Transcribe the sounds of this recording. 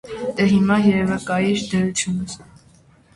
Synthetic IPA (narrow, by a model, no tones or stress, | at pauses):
t̪ɛɦimɑjɛɾɛvəkɑjiɾd̪əɾut͡sʰjunəs